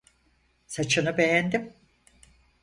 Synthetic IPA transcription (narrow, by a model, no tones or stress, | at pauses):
sat͡ʃʰɯnɯbe̞jænd̪im